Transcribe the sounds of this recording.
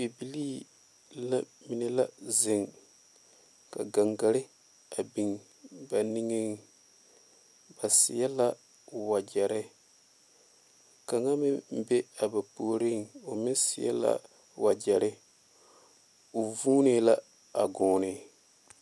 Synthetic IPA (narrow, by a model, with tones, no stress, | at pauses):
bi˨bi˨liː˦ | la˦mi˨nɪ˦la˦zɪ˨ŋ | ka̰˨ɡa˨ŋɡa˨ɾɪ˦ | a˨bi˨ŋ | ba˨nɪ˦ŋɪ˦ŋ | ba˨sɪ˨ja˦la˦ | wa˨d͡ʒɛ˨ɾɪ˦ | ka˨ŋa˦mɪ˦m̩˦be˦a˨ba˨poː˦ɾɪ˦ŋo˨mɪ˦n˦sɪ˨jɛ̰˦la̰˦ | wa˨d͡ʒɛ˨ɾɪ˦ | o˨vuː˦nɪ˦la˦ | a˨ɡɔː˦nɪ˨